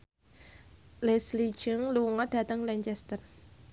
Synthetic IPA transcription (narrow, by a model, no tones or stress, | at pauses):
lɛslid̥d͡ʒ̥əŋluuŋɔd̥ä̤t̪əŋlɛɲt͡ʃɛst̪ər